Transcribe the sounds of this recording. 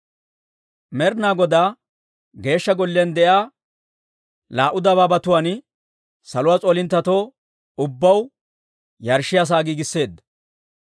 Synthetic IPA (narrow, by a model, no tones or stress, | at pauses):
mɛɾnaːɡɔd̪aː | ɡe̞ːʃːɐɡɔlːɛnd̪ɛjaː | laːʔʊd̪ɐbaːbɐt̪ʊwaːn | sɐlʊwaːt͡sʼoːlɪnt̪ːɐt̪oː | ʊbːɐw | jɐɾʃɪjaːs̬aːɡiːɡɪsːe̞ːd̪ːɐ